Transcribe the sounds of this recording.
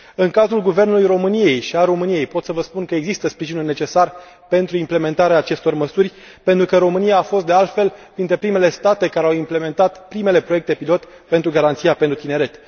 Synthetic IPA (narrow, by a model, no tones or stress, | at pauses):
ɨŋkazɾulɡuve̞rnulujɾo̞mɨnije̞jʃialro̞mɨnije̞jpo̞t̪səvəspunkəe̞ɡzist̪əspɾiʒinulne̞t͡ʃe̞sar | pe̞nt̪ɾuimple̞me̞nt̪aɾeaːt͡ʃe̞st̪o̞rməsurʲ | pe̞nt̪ɾukəɾo̞mɨnijaːfo̞st̪d̪e̞alt̪fe̞lpɾint̪ɾe̞pɾime̞le̞st̪at̪e̞kaɾeawimple̞me̞nt̪at̪pɾime̞le̞pɾoe̞k̚t̪epilo̞t̪ | pe̞nt̪ɾuɡaɾant̪sijape̞nt̪ɾut̪ineɾe̞t̪